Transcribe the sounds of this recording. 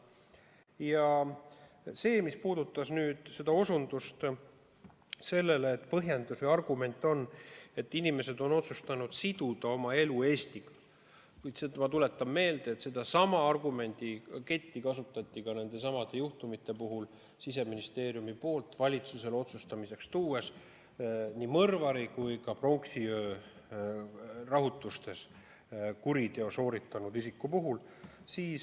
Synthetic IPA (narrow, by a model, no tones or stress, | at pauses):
jɑ | se̞ːmispuːd̪̥ut̪ːˑɑsnyːd̪̥se̞d̪̥ɑo̞sund̪̥ust̪ | se̞lːe̞leːt̪ːˑpɤɦjend̪usviɑrɡ̥ume̞nʲt̪ːˑo̞nːe̞t̪ːinime̞se̞d̪o̞no̞t̪sust̪ɑnud̪̥sid̪̥ud̪̥ɑo̞mɑe̞lue̞ːst̪iɡ̥ɑ | kujt̪semɑt̪ule̞t̪ːˑɑmːe̞ːld̪̥eeːt̪sed̪̥ɑsɑmɑɑrɡume̞nʲd̪̥ike̞t̪ʲːikɑsut̪ːˑɑt̪ʲːikɑne̞nd̪e̞s̬ɑmɑd̪̥e̞juht̪umit̪ːˑe̞puɦul | sis̬e̞minist̪e̞ːɾijumipo̞ːlt̪vɑlʲit̪suse̞lo̞t̪sust̪ɑmise̞kst̪uːes | nʲiːmɤrvɑɾikujkɑpro̞ŋksiøː | rɑɦut̪ːˑust̪e̞s | kuɾid̪eoso̞ːɾit̪ːˑɑnud̪isikːupuɦul | siːs